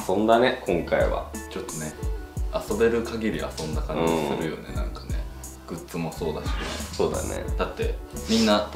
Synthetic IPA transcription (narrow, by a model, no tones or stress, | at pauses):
sõ̞nd̪anekʰõ̞ŋkaiβa̰t͡ɕo̞t̪ːo̞ne̞aso̞be̞ɾɯ̟kaɡʲiɾʲia̰sõ̞nd̪akãɲiasɨɾɯ̟jo̞ne̞̰nãŋkḁne̞̰ | ɡ̥ɯ̟tt͡sɨmo̞so̞ːd̪aɕisoːd̪a̰nḛd̪̥at̪ːe̞mʲĩnːat̪